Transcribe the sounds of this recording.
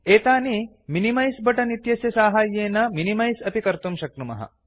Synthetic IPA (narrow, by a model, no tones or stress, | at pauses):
eːt̪aːni | minimɐjsbɐʈɐnit̪jɐsjɐsaːɦaːjːeːnɐminimɐjsɐpikɐɾt̪umʃɐk̪̚ɾumɐ̰ɦɐ̰